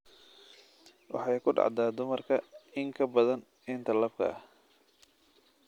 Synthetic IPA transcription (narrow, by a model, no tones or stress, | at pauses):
wɑ̰ħɑjkʰʊɖɑ̰ʕd̪aːd̪ʊmɐrkʰɐɪŋkʰɐbɐðɐn | ɪnt̪ʰɐlɐbkʰɐ̰ʔɐ̰h